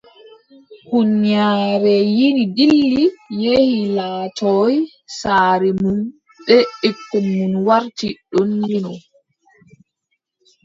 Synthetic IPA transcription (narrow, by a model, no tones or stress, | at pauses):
hunjaːɾɛjinidilːijehilaːtʰɔj | saːɾɛmum | ɓɛekːɛmːunwaɾtiɗɔnjinɔ